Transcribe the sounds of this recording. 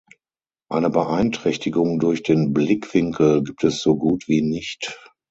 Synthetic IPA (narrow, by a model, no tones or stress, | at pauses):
ʔaɪnəbəʔaɪntʁ̥ɛçtɪɡʊŋdʊɐçd̥eːnblɪkv̥ɪŋkl̩ɡiːp̚tʰɛsz̥oɡuːtv̥iːnɪçt